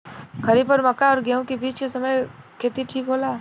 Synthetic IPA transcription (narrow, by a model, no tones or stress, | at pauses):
ɡʰʱɐɾipɐɾmɐkaɔːɾɡeõkebiːt͡ʃkesɐməjkʰeːt̪iʈʰiːkɦoːlaː